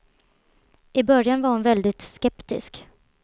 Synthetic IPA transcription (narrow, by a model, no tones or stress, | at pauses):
ʔɪbœɾjanvaɾhʊnvɛld̪ɪt̪skɛpt̪ɪ̰sk